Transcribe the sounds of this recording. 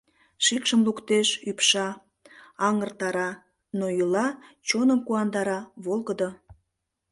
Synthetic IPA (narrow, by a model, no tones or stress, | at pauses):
ʃikʃəmlukt̪eʃypʃɑ | ɑŋərt̪ɑɾɑ | noilɑt͡ɕonəmkuɑnd̪ɑɾɑβolˠɣəd̪o